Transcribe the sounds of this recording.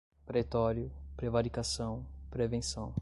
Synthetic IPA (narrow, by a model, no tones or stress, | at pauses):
pɾet̪ɔɾjʊpɾevaɾikasɐ̃w̃pɾevẽsɐ̃w̃